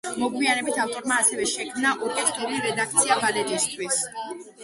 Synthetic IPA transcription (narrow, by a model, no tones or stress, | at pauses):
mɔɡwianɛbit̪ʰaft̪ʼɔɾmaːsɛvɛʃɛkʰmnaʔɔɾkʼɛt̪ʰkʰɛliɾɛd̪ak̚ʰt̪sʰiabalɛt̪ʼist̪ʰwis